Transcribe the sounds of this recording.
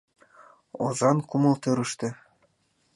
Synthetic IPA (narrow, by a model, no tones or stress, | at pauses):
o̰zɑnkumɤ̆lˠt̪øɾɘ̆ʃt̪ɘ̆